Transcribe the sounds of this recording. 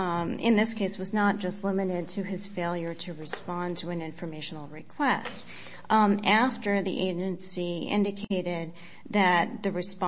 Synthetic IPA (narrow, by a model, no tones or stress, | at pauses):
ɪ̰̃nðɪskʰeɪswʌznət̚d̥ʒ̥ʌstˡlɪ̃mɨɾɪd̚tʰɨɨz̥feɪlˠjə˞ɾɨɹɨspɑ̃ntʰəɨ̃nɪ̃ɱfə˞meɪʃn̩l̩ˠɹɨkʰw̥ɛst̚ | æftə˞ðḭʔeɪd͡ʒɨ̃nsiɪ̰̃ndɨkʰeɪɾɪd̪̚ | ðɨt̪̚ðɨɹɨsp